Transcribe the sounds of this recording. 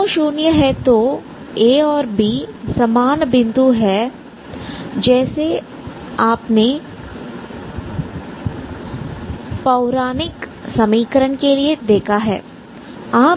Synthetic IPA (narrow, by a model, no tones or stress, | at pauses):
õʃuːnjəɦɛt̪o | eːɔːɾbiːsɐmaːnbɪ̃nd̪uɦɛ | d͡ʒɛːse | aːpne | pɐʊɾaːnɪksɐmiːkəɾənkelied̪eːkʰaɦɛ̰ː | aː